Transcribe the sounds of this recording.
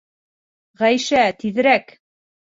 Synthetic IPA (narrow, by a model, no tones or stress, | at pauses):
ʁæjʃæt̪iðɘ̆ɾæk